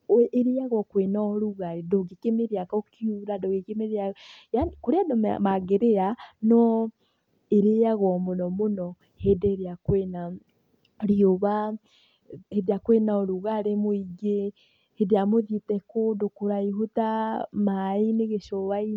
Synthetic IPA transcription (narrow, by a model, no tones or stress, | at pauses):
eɾeaɣɔkwenaɔɾuɣaɾedoɡekemeɾeakokiuɾadoɣekemeɾeajakoɾeadɔm̰maɣeɾeanɔ | eɾeaɣɔmonɔmonɔ | hedeeɾeakwena | ɾioβa | hedeakwenaɔɾuɣaɾemoiɡe | hedejamoðetɛkodokoɾaiɦotamaineɣeʃɔβai